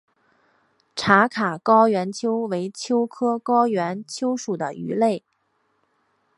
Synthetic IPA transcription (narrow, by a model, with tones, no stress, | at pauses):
ʈ͡ʂʰa˧˥kʰa˨˩kɑ˥ʊɥɛ˧˥nt͡ɕʰjo˥ʊwe˧˥ɪt͡ɕʰjo˥ʊkʰɤ˥kɑ˥ʊɥɛ˧˥nt͡ɕʰjo˥ʊʂu˨˩d̪ə̰˦y̰˧˥le˥˩ɪ